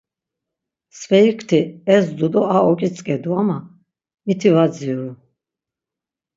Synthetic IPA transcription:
svɛikʰt̪ʰiɛsd̪ud̪ɔaɔkʼit͡sʼkʼɛd̪uama | mit̪ʰivad͡ziɾu

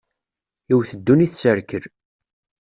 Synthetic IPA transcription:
iwθəd̪ːuniθsəɾkəɾ

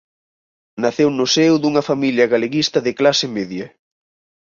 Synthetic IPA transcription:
naθewnʊsewðuŋɐfamiljɐɣaleɣist̪ɐðɪklasɪmeðjɐ

